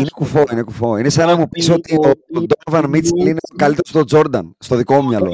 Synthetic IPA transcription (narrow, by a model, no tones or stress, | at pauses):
inekufo̞ine̞kufo̞inesɐnɐmupiso̞t̪iond̪oɾvɐnmit͡selinekɐlit̪eost̪o̞d͡zo̞ɾd̪ɐ̰nst̪o̞ðiko̞mɲɐlo̞